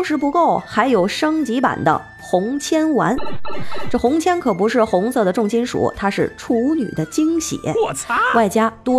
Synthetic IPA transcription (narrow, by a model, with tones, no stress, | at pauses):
ŋʂɻ̩˧˥pu˧˥ko˥˩ʊxa˧˥ɪjo˨˩ʊʂɤ˥ŋt͡ɕi˧˥pa̰˨˩nd̪ə̰˦ | xʊ˧˥ŋt͡ɕʰjɛ˥nwa̰˧˥nʈ͡ʂɤ˥˩xʊ˧˥ŋt͡ɕʰjɛ˥nkʰɤ˨˩pu˧˥ʂɻ̩˥˩xʊ˧˥ŋsɤ˥˩d̪ə˩ʈ͡ʂʊ˥˩ŋɕi˥nʂṵ˨˩˦t̪ʰa˥ʂɻ̩˥˩ʈ͡ʂʰu˥˧˥ny̰˨˩d̪ə˦t͡ɕi˥ŋɕjɛ̰˨˩˦wa˥˩ɪt͡ɕja˥t̪wɔ˥